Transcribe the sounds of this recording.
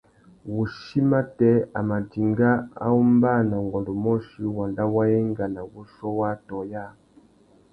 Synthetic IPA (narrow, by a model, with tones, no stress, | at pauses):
wu˨ʃi˦ma˦tɛ˦a̰˨ma˨ti˨ŋɡa˦a̰˦u˦mba˦na˨ŋɡɔ˨ndɔ˨mɔ˦ʃi˦wa˨nda˦wa˦ɛ˦ŋɡa˨na˨wu˦ʃɔ˦wa˦tɔ˨ja˦˨